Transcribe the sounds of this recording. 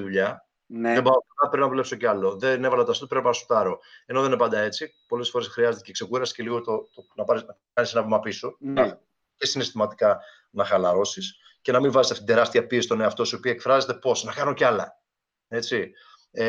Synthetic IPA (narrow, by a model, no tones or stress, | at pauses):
ðuʎɐ | nebɐokɐpɾinɐpule̞pso̞ceɐlo̞ðene̞vɐlɐt̪oɐst̪opɾinɐpɐɾsot̪ɐɾo̞e̞no̞ðenepɐnd̪ɐe̞t͡sipo̞le̞sfo̞ɾe̞sxɾiɐzet̪ecekse̞kuɾɐsi̥ce̞liɣot̪ot̪onɐpɐɾ | kɐnise̞nɐvimɐpiso̞ | ce̞sinest̪imɐt̪ikɐ | nɐxɐlɐɾo̞sis | ce̞nɐmiɱvɐzet̪eft̪id̪e̞ɾɐst̪iɐpiesist̪oneɐft̪o̞sio̞piɐekfɾɐze̞t̪e̞po̞snɐkɐnoceɐlɐ̰ | e̞t͡si